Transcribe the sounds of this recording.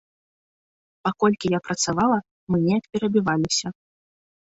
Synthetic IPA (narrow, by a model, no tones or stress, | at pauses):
pakɔlʲkʲijapɾɐt̪savalˠɐ | mɨnʲɛɐkpʲɛɾɐbʲivalʲisʲɐ